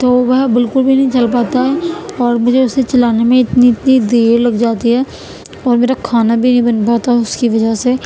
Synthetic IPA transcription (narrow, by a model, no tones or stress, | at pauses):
t̪oːʋɛɦbɪlkʊlbʱinɐɦĩt͡ʃɐlpaːt̪aɦɛɔːɾmʊd͡ʒʱeʊset͡ʃɐlaːnemẽɪt̪niɪt̪nid̪eːɾlɐɡd͡ʒaːt̪iɦɛː | ɔːɾmeːɾakʰaːnabʱinɐɦĩbɐnpaːt̪aɦɛʊskiʋɐd͡ʒəɦse